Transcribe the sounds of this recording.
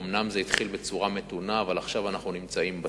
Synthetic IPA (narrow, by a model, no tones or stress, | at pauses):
omnamzeit̪χilbet͡suʁame̞t̪unaːvalaχʃavanaχnunimt͡saimba